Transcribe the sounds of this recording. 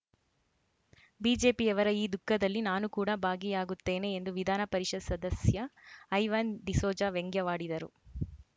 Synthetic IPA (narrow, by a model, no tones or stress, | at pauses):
biːd͡ʒe̞ːpiɛʋɐɾɐiːd̪ukːɐd̪ɐlːinaːnukuːɽɐbʱaːɡijaːɡut̪ːe̞ːne̞ːnd̪uʋid̪ʱaːnɐpɐɾiʂɐd̪sɐd̪ɐsjɐːjʋɐnd̪isoːd͡ʒaːʋeŋɡjɐʋaːɽid̪ɐɾṵ